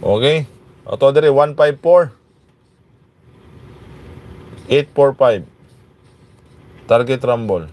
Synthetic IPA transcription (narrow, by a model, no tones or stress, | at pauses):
ʔoːkɛj | ʔo̰t̪od̪ɛɾiwanpajb̚foɹ | ʔet̪̚fɔɹpajb | t̪aɾɡɛt̪ɾambol